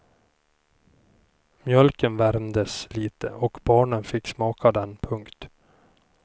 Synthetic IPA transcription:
mjœlkənvæɾmd̪əsliːt̪ʰə̰ʔɔkbɑːɳənfɪkːsmɑːkʰad̪ɛnpʰɵŋkt̪

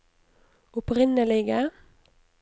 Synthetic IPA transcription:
ʊpʁɪnəlɪɡə

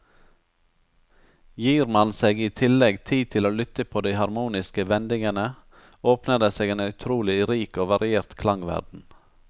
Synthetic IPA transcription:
jiːɾmɑnseːɡiːt̪ʰɪlɛɡt̪ʰiːt̪ʰɪloːlʏt̪əpʰoːd̪æɪhɑɾmuːnɪskəʋɛnd̪ɪŋənə | oːpnəd̪əseːɡeːnœʉt̪ʰɾuːlɪɾiːkoːʋɑɾɪeːɾt̪kʰlɑŋʋæ̰ɖn̩

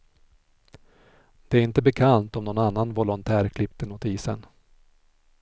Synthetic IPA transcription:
d̪̥ɛæɾɪnt̪əbɛkʰant̪ɔmnɔnanːanvɔlɔnt̪ʰæːɾkʰlɪpt̪ənʊt̪iːsə̰n

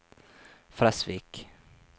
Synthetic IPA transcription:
fɾasvik

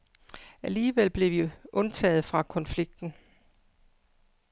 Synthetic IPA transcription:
æliːʋelb̥le̝ʋiʔɔ̽nt͡sʰɛ̰ːð̩ˠfʁɑ̈kʰɒ̽nfliɡ̥̚d̥n̩

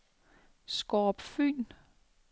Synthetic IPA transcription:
sɡ̥ɒːb̥fy̰ːn

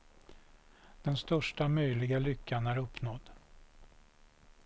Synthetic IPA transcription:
d̪̥ɛnst̪œʂʈamœjlɪɡalʏkʰːanæɾɵpːnɔd̪ː

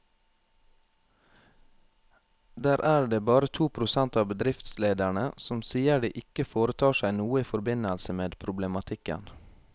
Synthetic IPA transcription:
d̪æːɾʔæːɖeːbɑːɾət̪ʰuːpʰɾʊsɛnt̪ɑːbəd̪ɾɪft̪sleːd̪æɳəsɔmsiːəɖḭːʔɪkəfoːɾət̪ʰɑːʃæɪnuːəiːfɔɾbɪnəlsəmeːd̪pʰɾʊblɛmɑt̪ʰɪkə̰n

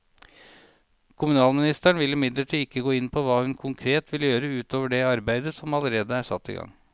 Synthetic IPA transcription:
kʰʊmʉnɑːlmɪnɪst̪æɳʋɪlːɪmɪd̪ləʈʰiːd̪ɪkːəɡoːɪnpʰɔʋɑːhʉnkʰʊŋkʰɾeːt̪ʰʋɪləjøːɾəʉːt̪ʰoːʋəɖɛɑɾbæɪd̪əsɔmɑləɾeːd̪əæʂɑ̰t̪ːɪ̰ɡɑ̰ŋ

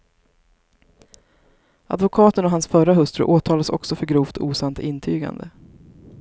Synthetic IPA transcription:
ʔa̰d̪vʊkʰɑːt̪ənɔɦansfœɾaɦɵst̪ɾɵ̰ʔoːt̪ʰɑːlasɔ̰ksɔfœɾɡɾuːft̪ʰṵːsant̪ɪnːt̪ʰyːɡa̰nd̪ə̰

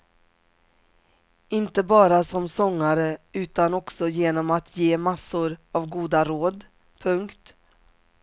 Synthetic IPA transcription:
ɪnt̪əbɑːɾasɔmsɔŋːaɾəʉ̟ːt̪anɔksɔjeːnɔmat̪ʰjeːmasːʊɾavɡuːd̪aɾoːd̪ | pʰɵŋkt̪

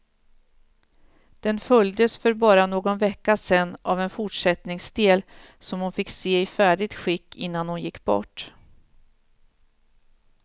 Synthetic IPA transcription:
d̪̥ɛnfœljd̪əsfœɾbɑːɾanoːɡɔnvɛkːasɛnːʔavɛnfʊʈʂɛt̪nɪŋsd̪eːl | sɔmhʊnfɪkːseːɪfæːɖɪɡ̚t̪ɧɪkːɪnːanhʊnjɪkːbɔ̰ʈː

